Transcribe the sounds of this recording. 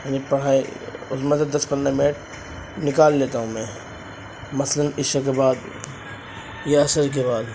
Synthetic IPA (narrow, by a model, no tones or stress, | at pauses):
anipɐɽ̤aːiʊsmẽs̬ed̪ɐspɐ̃nd̪amɪnəʈ̚ | nɪkaːlːeːt̪aɦũmɛ̃ː | mɐslənɪʃakebaːd̪ | jeɐsəɾkebaːd̪